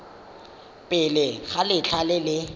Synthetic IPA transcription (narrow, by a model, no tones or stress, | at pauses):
pʼɪlɪɣalɪt͡ɬʰalɪlɪ